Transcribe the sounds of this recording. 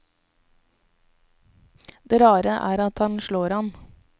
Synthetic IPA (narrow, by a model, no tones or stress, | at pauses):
d̪̥eːɾɑːɾəʔæ̰ːɾɑt̪hɑnʃɭoːɾhɑn